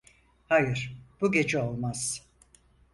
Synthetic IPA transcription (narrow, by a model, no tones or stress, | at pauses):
hajɯɾ̥b̥uɟe̞d͡ʒɛo̞lˠmaz̥